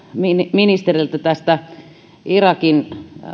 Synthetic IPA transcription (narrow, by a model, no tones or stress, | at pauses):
minminist̪erilt̪æt̪æst̪æ | irɑkin